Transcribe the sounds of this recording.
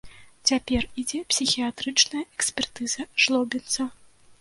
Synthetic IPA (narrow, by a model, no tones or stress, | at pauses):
t͡sʲapʲɛrid͡zʲɛpsʲixʲijat̪ɾɨt͡ʂnɐjɐʔɛksʲpʲɛrt̪ɨzɐʐlˠɔbʲɛnt̪sɐ